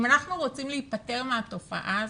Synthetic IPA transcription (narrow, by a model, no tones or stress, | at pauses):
manaχnuʁot͡simleit̚pate̞ʁmeato̞fa̰ʔa